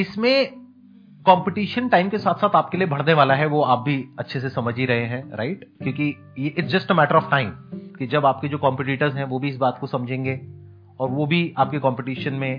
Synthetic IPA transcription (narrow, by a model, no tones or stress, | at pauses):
ɪsmẽ | kɔ̃ːmpɪʈiːʃənʈaːɪmkesaːt̪ʰsaːt̪aːp̚keliebʱɐɽ̤neʋaːlaɦɛʋoaːp̚bʱiɐtːʃʰesesɐməd͡ʒʱiɾɐɦeɦɛ̃ɾa̰ɪʈkjõːki | jeʔɪʈsd͡ʒɐsʈəmɛːʈəɾɔːfʈaːɪ̃mkid͡ʒɐbaːp̚ked͡ʒoːkɔ̃ːmpɪʈiːʈəɾzɦɛ̃ʋoːbʱiɪs̬baːt̪kosɐmd͡ʒʱẽːŋɡeː | ɔːɾʋobʱiaːp̚kekɔ̃ːmpɪʈiːʃənmẽ